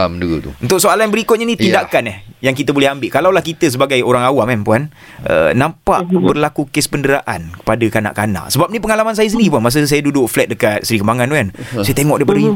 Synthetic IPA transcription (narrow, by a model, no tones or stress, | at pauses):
mduut̪ṵunt̪ʊksoalanbəɾikʊt̪̚ɲanit̪indaʔkanahjaŋkit̪əbolɛhambɪʔkalawlahkit̪əs̬əbaɡajoɾaŋawamanpuan | ʔə̰nãmpa̰ʔbərlakukɪspəndəɾaʔa̰nkə̥padakana̰ʔkana̰ʔsəbap̚nipəŋalamans̬ajasəndiip̬uanmas̬əs̬ajadudʊʔflɛt̪̚dəkat̪̚səɾikəmbaŋanuansajat̪eŋɔ̰ʔ̚dajpadaɲ